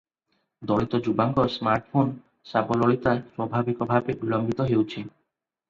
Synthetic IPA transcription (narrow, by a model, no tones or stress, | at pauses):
d̪ɔɭit̪ɔd͡ʑubaŋɡɔsmaɾʈfʰon | sabɔlɔɭit̪aepɾɔbʱabikɔbʱabebilɔmbit̪ɔɦewt͡ɕʰi